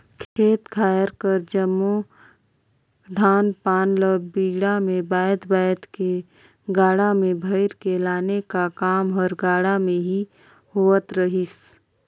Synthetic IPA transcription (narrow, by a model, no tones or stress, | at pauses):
kʰeːt̪kʰaːjəɾkəɾd͡ʒəmːu | d̪ʱaːnpaːnləbiːɽamẽbaːəd̪baːjd̪ke | ɡaːɽamẽbʱɐɪɾkelaːnekakaːmɦɔɾɡaːɽamẽɦi | hoːət̪ɾəɦis